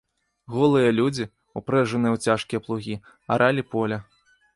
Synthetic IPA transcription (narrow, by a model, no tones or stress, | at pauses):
ɣɔlˠɨjɐlʲud͡zʲi | upɾɛʐɨnɨjɐwt͡sʲaʂkʲijɐplˠuɣʲi | aɾʔalʲipɔlʲɐ